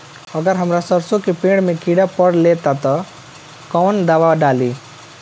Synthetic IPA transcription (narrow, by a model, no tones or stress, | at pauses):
ʌɡʌɾɦʌmɾasʌɾsokepẽɽmekiɽapʌɽlet̪at̪ʌ | kɔwnd̪aʋaɖali